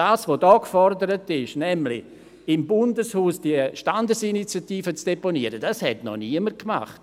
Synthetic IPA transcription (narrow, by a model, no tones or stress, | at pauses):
aːsʋodɔːkfɔrdəɾətɪʃnɛmlɪ̰ | ɪmbʊndəshuːsd̥iəʃtandəsinit͡sjatiːfət͡sd̥eponiəɾəd̥ashɛtnɔ̰niəmərkma̰χt